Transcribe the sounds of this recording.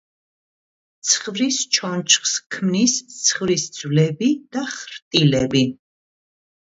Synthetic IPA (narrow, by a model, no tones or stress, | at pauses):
t̪sʰχvɾist͡ʃʰɔnt͡ʃʰχskʰmnist̪sʰχvɾisd̪zvlɛbid̪̥aχɾt̪ʼilɛbi